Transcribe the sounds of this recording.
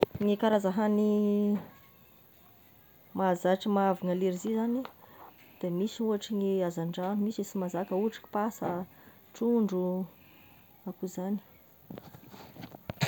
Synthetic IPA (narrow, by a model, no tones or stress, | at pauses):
ŋekaɾazaɦani | mazaʈ͡ʂəmavaŋəleɾizizani | d̪̥emisiuaʈ͡ʂiŋeazaɳɖ͡ʐanumisisimazakəuaʈ͡ʂḁki̥pasə | ʈ͡ʂuɳɖ͡ʐu | akuzani̥